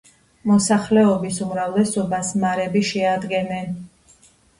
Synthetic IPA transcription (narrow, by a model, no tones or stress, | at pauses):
mɔsaχlɛɔbisumɾavlɛsɔbasmaɾɛbiʃɛad̪ɡɛnɛn